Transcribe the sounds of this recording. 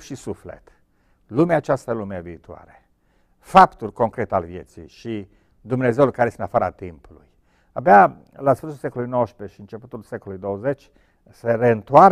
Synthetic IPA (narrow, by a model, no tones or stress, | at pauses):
ʃisuflḛt̪ | lumeaːt͡ʃast̪alumeeviːt̪ua̰ɾe | fapt̪urʲko̞ŋkɾet̪ealvjḛt̪sḭjʃi | d̪umne̞zeulkaɾeest̪enafaɾa̰t̪impulṵj | abea | lasfɨrs̬ulsekolujnowəspeʃiɨnt͡ʃe̞put̪ulsekolujd̪owəzet͡ʃʲ | seɾeɨnt̪uar